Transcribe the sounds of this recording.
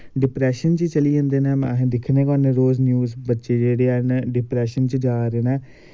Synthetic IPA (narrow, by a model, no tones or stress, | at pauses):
ɖɪpɾɛːʃənt͡ʃət͡ʃəliːd͡ʒãːnd̪eːnɛ̃ːmã̰ːɦẽːd̪ɪkʰnẽːkɔːneɾoːznjuːzbətːʃeːd͡ʒeːɽeːaːnɖɪpɾɛːʃənt͡ʃəd͡ʒaːɾeːnɛ̃ː